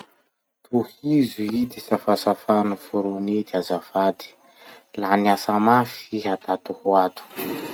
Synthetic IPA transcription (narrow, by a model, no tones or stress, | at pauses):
t̪ʰuhizuid̪isafasafanufuɾunid̪azafad̪i̥ | laniasamafiɦat̪at̪uhuat̪u̥